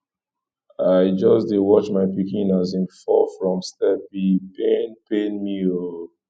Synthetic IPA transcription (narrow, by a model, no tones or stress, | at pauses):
aɪd͡ʒɔsdewɔt͡ʃmaɪpikĩnazĩnfɔfɹɔ̃mstɛp̚bipẽnpenmio